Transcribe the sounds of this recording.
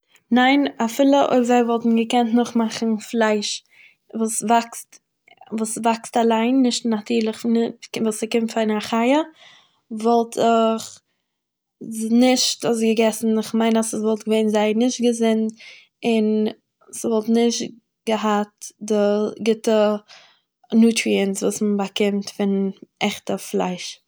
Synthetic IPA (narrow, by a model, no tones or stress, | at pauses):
naɪnafɪlˠəʔo̰ɪbzaɪvɔlˠtn̩ɡəkɛntnʊχmaχn̩flˠaɪʃ | vuːsvakst | vuːsvakstalˠaɪnːɪʃtnatʰiːlˠɪχnɪvuːsɪkɪmtfaɪnaχaɪə | vɔlˠtʰɪχ | znɪʃtɔs̬ɡəɡɛsn̩ɪχmaɪnasəsvɔlˠtɡəveɪnzaɪnɪʃt̚ɡəzɪnt | ɪn | svɔlˠtnɪʃt | ɡ̥əɦat̚dɪɡɪtə | nuːtɾiənsvuːsmbakɪmtfɪnɛχtəflˠa̰ɪʃ